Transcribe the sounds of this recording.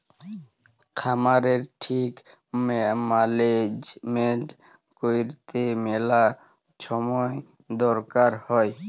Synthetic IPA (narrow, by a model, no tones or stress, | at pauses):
kʰamaɾeɾʈʰik | maled͡ʒmeɳʈ | kojɾt̪emela | ʃɔmɔe | d̪ɔɾkaɾhɔe